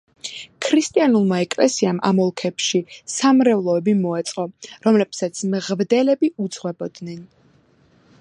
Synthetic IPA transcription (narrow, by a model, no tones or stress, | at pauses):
kʰɾist̪ʼianulˠmaɛkʼlɛ̰siamʔa̰mɔlˠkʰɛpʃisamɾɛvlˠɔɛbimɔɛt̪sʼqʼɔɾɔmlɛpsat̪sʰmʁvd̪ɛlɛbiud̪z̥ʁwɛbɔd̪nɛn